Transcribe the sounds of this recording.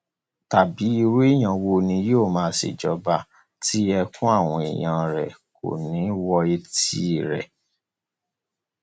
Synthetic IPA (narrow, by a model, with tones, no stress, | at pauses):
ta˨bi˨˦i˧ɾe˦i˦˨j̃ã˧wo˧nĩ˧˦joː˦˨mãː˧˦sḭ˨d͡ʒɔ˨˦ba˧˨ | ti˦ɛ˧kũ˦a˦˨w̃ɔ̃˧ḛ˨j̃ã˧ɾɛ˨ko̰˨nĩ˨˦wɔ˧e˧ti˦˨ɾɛ̰˨